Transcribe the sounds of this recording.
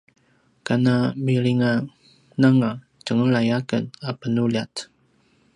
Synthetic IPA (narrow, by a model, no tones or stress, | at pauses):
kanamiɾiŋa | naŋa | t͡ʃəŋəlajakə̰napənulat